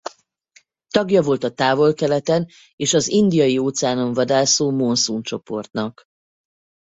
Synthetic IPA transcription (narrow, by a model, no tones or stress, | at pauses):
t̪ɒɡjɒvo̞lt̪ɒt̪aːvo̞lkɛlɛt̪ɛn | eːʃɒzind̪ijɒjioːt̪sɛaːno̞ɱvɒd̪aːsoːmonsunt͡ʃo̞po̞rt̪nɒk